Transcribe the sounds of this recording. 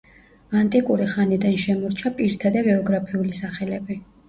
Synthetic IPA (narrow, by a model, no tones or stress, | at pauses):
ant̪ʼikʼuɾiχanid̪anʃɛmɔɾt͡ʃʰapʼiɾt̪ʰad̪aɡɛɔɡɾapʰiulisaχɛlɛbi